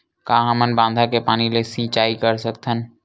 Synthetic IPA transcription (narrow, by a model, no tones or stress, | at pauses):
kãːɦəmənbãːnd̪ʱakepaːnilesĩːt͡ʃaːikəɾsəkt̪ʰən